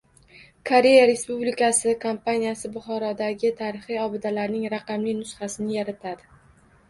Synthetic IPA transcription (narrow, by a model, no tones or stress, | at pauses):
kʰoɾe̞jaɾe̞spublikasɪkʰompanijasɪbʊχɒɾɒd̪aɡʲɪt̪ʰaɾɪχijɒbɪd̪alaɾnɪŋɾaqɑmlɪjnʊsχasɪnɪjaɾat̪ʰad̪ɪ